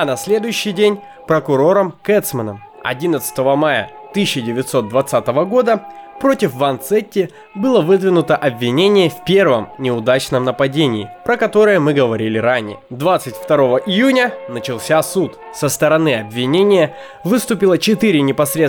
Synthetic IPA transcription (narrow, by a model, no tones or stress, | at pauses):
ɐnɐsʲlʲe̞d̪ʊjʉɕːɪjdʲenʲ | pɾəkʊɾo̞ɾəmkɛt̪smənəm | ɐ̰dʲinət̪sɨ̥t̪əvəmajə̰ | t̪ɨɕːɪdʲɪvʲɪt̪so̞t̪̚d̪vɐt̪sat̪əvəɡo̞d̪əpɾo̞tʲɪfvɐnt̪sɛtʲːɪ | bɨlˠəvɨd̪vʲɪnʊt̪əʔɐbvʲɪnʲenʲɪjəfpʲe̞rvəmnʲɪʊd̪at͡ɕnəmnəpɐdʲenʲɪːpɾəkɐt̪o̞ɾɨjəmɨɡəvɐɾʲilʲɪɾanʲɪjə̰d̪vat̪sɨtʲft̪ɐɾo̞vəʔɪjunʲənət͡ɕɪlˠsʲasut̪ | səst̪əɾɐnɨɐbvʲɪnʲenʲɪjə | vɨst̪ʊpʲɪlˠət͡ɕɪt̪ɨɾʲɪnʲɪpɐsʲɾʲe